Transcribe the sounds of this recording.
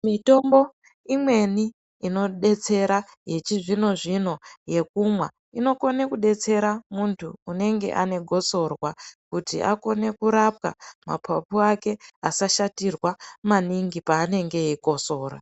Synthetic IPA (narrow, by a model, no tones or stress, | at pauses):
mito̞mbo̞ | imwe̞ni | ino̞ɗe̞t͡se̞ɾaje̞t͡ʃiʐino̞ʐin̤o̞je̞kumwa | ino̞ko̞nekuɗe̞t͡se̞ɾamuntʰuːne̞ŋɡe̞̰ʔane̞ɡʱo̞so̞rwakutḭʔa̰ko̞ne̞kuɾap̚ka̰ma̰pʰapuake̞asaʃatirwamaniŋɡipaːne̞ŋɡe̞iko̞so̞ːɾa̰